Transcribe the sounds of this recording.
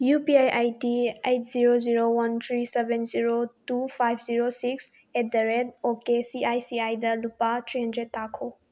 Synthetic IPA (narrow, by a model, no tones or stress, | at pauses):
jupiajʔajtiejt̚ʰziɾoziɾowantʰɾisebenziɾotupʰajpʰziɾosiks | et̚dɐɾedokesiajsiajdɐlupatʰɾiɦɐndɾetːakʰo